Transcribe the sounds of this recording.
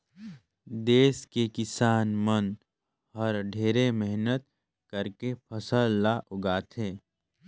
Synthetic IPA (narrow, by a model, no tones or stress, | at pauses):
d̪eːskekɪsaːnmən | ɔːɾɖʱeːɾemɛɦnət̪̚ | kəɾkepʰəsəlːaʔʊɡaːt̪ʰẽː